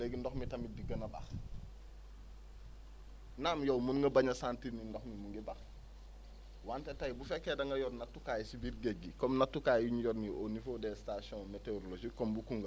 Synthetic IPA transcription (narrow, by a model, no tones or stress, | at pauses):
lɛɡndɔxmitɐmidiɡənɐbɐ̰x | naːmjɐwmunŋɡɐbɐɲɐsaːntinindɔxmimuŋɡɛbɐx | wantɛtɐjbufɛkːɛdɐŋɡɐjɔrnɐtːukaːjsibirɡɛɡːikɔmnɐtːukajuɲjɔɾniʔɔnifodɛːstasɔ̃mɛteoɾlod͡ʒikɔmbukuŋɡɐ